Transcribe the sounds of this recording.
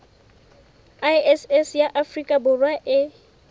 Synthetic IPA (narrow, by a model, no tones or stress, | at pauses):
ajɛsɛsjaʔafrikʼabʊrwaʔɪ